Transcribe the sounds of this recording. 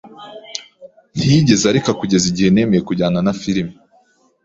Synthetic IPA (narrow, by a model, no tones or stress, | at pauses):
n̥iɟe̞zaɾekakuɟe̞ziɟihe̞ne̞ːme̞je̞kuɟaːnanafiɾimi